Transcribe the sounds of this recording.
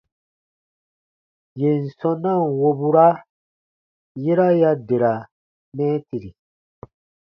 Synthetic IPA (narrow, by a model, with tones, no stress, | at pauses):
je˨n̩˨sɔ̃˦nã˦˨nwo˨bu˦ɾa˦ | je˦ɾa˦ja˦de˨ɾa˨ | mɛ̃˦ti˨ɾi˨